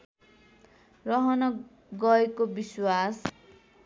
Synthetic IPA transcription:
rʌɦʌnʌ | ɡʌjkobiswas

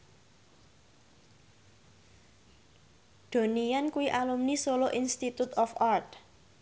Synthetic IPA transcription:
d̪̥o̤nijankuwiʔalumnisoloʔinst̪it̪ut̪ɔfart̪̚

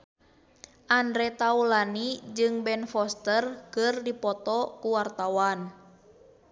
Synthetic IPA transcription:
ʔandɾɛt̪aulanid͡ʒɨŋbɛnfɔst̪ərkɨrdipɔt̪ɔkuwart̪awan

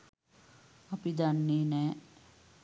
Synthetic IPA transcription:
apid̪anːeːnɛː

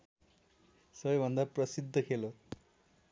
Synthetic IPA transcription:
sʌbʌjbʱʌnd̪apɾʌsid̪ʱːʌkʰelo

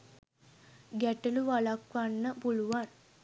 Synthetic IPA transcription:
ɡæʈəluʋalakʋanːəpuluʋan

